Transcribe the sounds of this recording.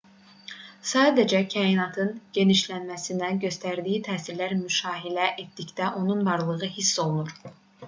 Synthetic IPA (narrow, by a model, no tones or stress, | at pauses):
sɑːd̪æd͡ʒæcʰæːinɑt̪ʰɯnɟ̥e̞niʃlænmæsind̪ænɟø̞st̪ʰæɾd̪ijit̪ʰæːsiɾlæɾmyʃɑːɦilæʔet̪̚d̪icd̪æʔo̞nunvɑɾlˠɯʁɯhisːo̞lˠunuɾ